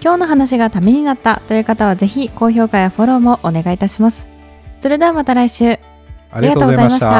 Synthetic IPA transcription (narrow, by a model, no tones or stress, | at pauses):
kʲo̞ːno̞ɦanaɕ̬iɡat̪amʲiɲ̟inat̪ːat̪o̞jɯ̟ːkat̪aβ̞aze̞çiko̞ːço̞ːkajaɸo̞ɾo̞ːmo̞ʔːne̞ɡait̪aɕimasɨ̥ | soɾed̪eamat̪aɾaiɕɨː | iɡat̪ːoːɡozaimaɕi̥t̪a